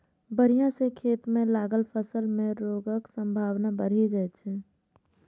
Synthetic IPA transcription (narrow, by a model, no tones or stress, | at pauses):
bəɾ̤ijãsekʰeːt̪mẽlaːɡəlpʰəsəlmẽɾoːɡəksə̃mbʱaːʋnabəɾ̤id͡ʒat͡ʃʰɛ